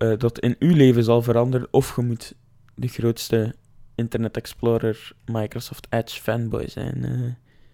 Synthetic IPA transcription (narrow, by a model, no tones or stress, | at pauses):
əːdɑtʰɪ̰nyleːvəzɑlˠvəɾɑndərə̰nɔfxəmut | dəɣroːtstə | ɪntərnɛtɛksploːɾərmɑjkrosɔftɛt͡ʃfɛnbɔ̰jzɛ̰jnə